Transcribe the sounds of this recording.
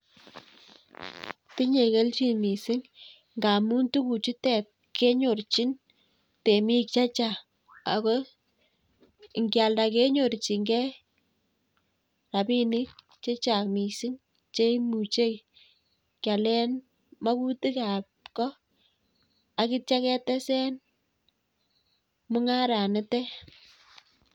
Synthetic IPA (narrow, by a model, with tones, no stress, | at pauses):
ti˦ɲe˨ke˦lt͡ʃi˦mi˨si˦ŋ | ŋɡa˨mu˦ntu˦ku˨t͡ʃi˦tɛ˨p̚ | ke˦ɲo˨rt͡ʃi˦n | te˨mi˦k̚t͡ʃa˦t͡ʃa˨ | a˨ko˦˨ | ŋɡja˨lda˨ke˦ɲo˨ɾt͡ʃi˨ŋɡɛ˦ | ra˨pi˦ni˦k̚ | t͡ʃe˦t͡ʃa˨kmi˨si˦ŋ | t͡ʃe˦mu˨t͡ʃe˦ | kja˨lɛ˦n | ma˦ku˦ti˦ka˨p̚kɔ˦ | a˨ki˦t͡ʃa˦kɛ˦tɛ˦sɛ˦n | mʊ˦ŋa˦ɾa˨nɪ˦tɛ˦